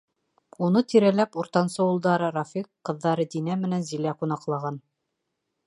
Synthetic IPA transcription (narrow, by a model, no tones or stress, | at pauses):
unɤt̪iɾælæpuɾt̪ɑnsɤulˠd̪ɑɾɤɾafikqːɤ̆ðːɑɾɤd̪inæmɘ̆nænzilæqunɑqlˠɑʁɑn